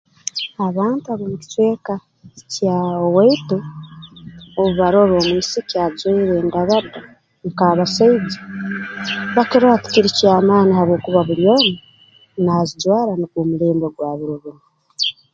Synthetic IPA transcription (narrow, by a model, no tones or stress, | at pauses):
aβaːntuaβomuci̥te̞ːka | caoweitu | oβuβaɾo̞ɾo̞ːmwiːsicjazweiɾeːndaβada | ŋkaːβasaid͡ʒi | βakeɾoati̥kiɾicaːmaːnihaβo̞ːkuβaβuljo̞ːni | nazid͡ʒwaːɾanikomuleːmdoɡwaːβiɾiβunu